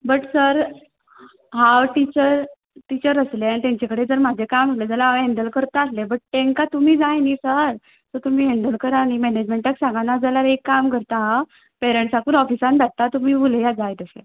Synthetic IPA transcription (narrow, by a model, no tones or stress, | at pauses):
bəʈsəɾ | ɦawʈit͡ɕəɾ | ʈit͡ɕəɾəsleanit̪ãɲt͡ɕakəɽed͡zəɾmad͡ʑʱekamd͡zaled͡zəlaɦɛɳɖəlkəɾt̪aaslebəʈ̚ʈẽŋkat̪um̤iːd͡zajniːsəɾ | t̪ɔt̪um̤iːɦɛɳɖəlkəɾañimɛned͡ʑmeɳʈəksãŋɡanad͡zəljaɾekːamkəɾt̪aɦa | peɾeɳʈsakuːnɔfisãndaʈ̚t̪at̪um̤iːuljad͡zajt̪əsḛ